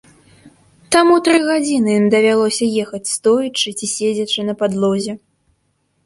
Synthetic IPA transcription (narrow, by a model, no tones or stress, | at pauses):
t̪amut̪ɾɨɣad͡zʲinɨjimd̪ɐvʲalˠɔsʲɐjɛxɐt͡sʲst̪ɔjit͡ʂɨt͡sʲisʲed͡zʲɐt͡ʂɨnɐpad̪lˠɔzʲɛ